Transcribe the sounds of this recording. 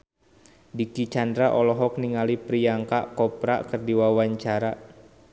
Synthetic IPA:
dikit͡ʃandɾaʔɔlɔɦɔk̚niŋalipɾijaŋka̰ʔkɔpɾa̰ʔkərdiwawaɲt͡ʃaɾa

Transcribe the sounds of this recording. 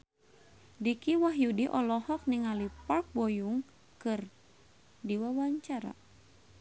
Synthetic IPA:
dikiwaɦjudiʔɔlɔhɔk̚niŋalipark̚bojuŋ | kɨr | diwawaɲt͡ʃaɾa̰

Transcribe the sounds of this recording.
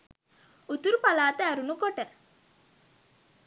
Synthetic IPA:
ut̪uɾupalaːt̪əæɾunukoʈə

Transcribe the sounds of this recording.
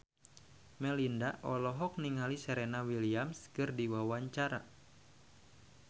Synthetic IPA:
mɛlindaʔɔlɔɦɔk̚niŋalisəɾɛnawiliamskɨrdiwawaɲt͡ʃaɾa̰

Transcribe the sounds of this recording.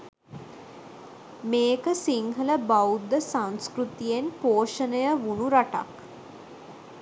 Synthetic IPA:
meːkəsiŋhələbaud̪ːəsãŋskɾut̪ijenpoːʃənəjəʋunuɾaʈa̰k

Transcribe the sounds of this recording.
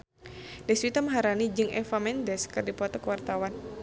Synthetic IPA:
dɛswit̪aməɦaɾanid͡ʒɨŋʔɛfamɛndɛskɨrdipɔt̪ɔkəwart̪awan

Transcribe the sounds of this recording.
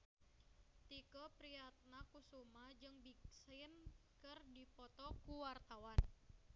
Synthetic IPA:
t̪ikɔpɾiat̪̚nakusumad͡ʒɨŋbiksɪnkɨrdipɔt̪ɔkuwart̪awan

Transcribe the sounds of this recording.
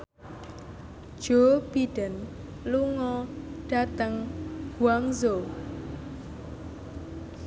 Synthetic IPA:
d̥ʒ̥ob̥iɖ̥ən | luŋɔɖ̥a̤t̪əŋɡ̥uaŋzo

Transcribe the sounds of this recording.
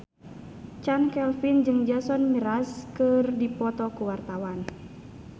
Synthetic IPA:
t͡ʃankɛlfind͡ʒɨŋd͡ʒasɔnmiɾaskɨrdipɔt̪ɔkuwart̪awan

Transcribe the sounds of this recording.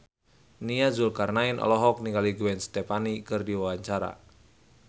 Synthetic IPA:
niazulkarnainʔɔ̰lɔɦɔk̚niŋaliɡuɛnst̪ɛpanikɨrdiwawaɲt͡ʃaɾa̰

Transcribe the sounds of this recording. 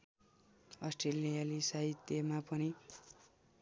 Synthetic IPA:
ʌsʈrelijalisaɦit̪jemapʌni

